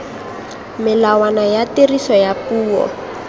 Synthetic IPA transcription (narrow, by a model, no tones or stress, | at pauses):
mɪlawanajaterisɔjapuːɔ̰